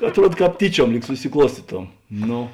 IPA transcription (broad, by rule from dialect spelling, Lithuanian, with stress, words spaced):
ɐtˈruɔt ˈkɑːp ˈtʲiːˌt͡ʃʲuɔm ˈlʲiːk sʊsʲɪˈklˠuɔsʲtʲiːtoːm ˈnoː